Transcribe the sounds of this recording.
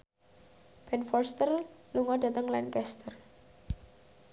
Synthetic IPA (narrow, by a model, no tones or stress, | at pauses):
b̥ɛnfɔrst̪ərluŋɔɖä̤t̪əŋlankɛst̪ər